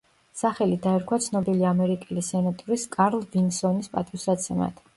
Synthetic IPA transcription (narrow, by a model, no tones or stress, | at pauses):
saχɛlid̪aɛɾkʰwat̪sʰnɔbiliamɛɾikʼɛlisɛnat̪ʼɔɾiskʼaɾlˠvinsɔnispʼat̪ʼiwsat̪sʰɛma̰t̪ʰ